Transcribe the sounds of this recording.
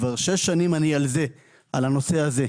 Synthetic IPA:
vaʁʃe̞ʃːanimanialze̞ | alano̞se̞aze̞

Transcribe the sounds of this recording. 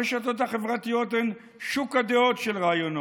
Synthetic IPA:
eʃat̪ot̪̬haχevʁat̪ijot̪en | ʃukad̪eot̪ʃelʁaajono

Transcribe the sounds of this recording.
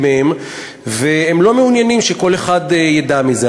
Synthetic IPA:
mehem | veemlo̞meunjanimʃeko̞leχadjadamize

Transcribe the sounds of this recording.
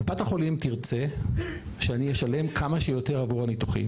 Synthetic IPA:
bataχo̞limt̪iʁt͡se | ʃeanijeʃale̞mkʰamaʃejo̞t̪e̞ʁavuʁanitu̥χḭm

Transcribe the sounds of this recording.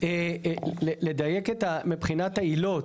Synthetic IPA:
eleled̪ajeket̪amipχinat̪ailo

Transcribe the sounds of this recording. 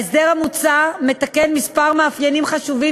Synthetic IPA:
sde̞ʁhamut͡same̞t̪akenmispaʁmaːfjenimχaʃuvi

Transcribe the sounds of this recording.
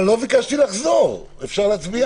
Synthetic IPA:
lovikaʃt̪ilaχzoʁ | efʃaʁleat͡sbia

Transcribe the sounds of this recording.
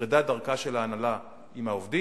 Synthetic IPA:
id̪ad̪aʁkaʃelaːnala | imaovd̪i

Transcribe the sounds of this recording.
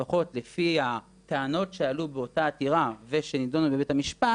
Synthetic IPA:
aχo̞tle̞fia | teano̞tʃealubeo̞taːtiʁave̞ʃe̞nidonubebetamiʃpa

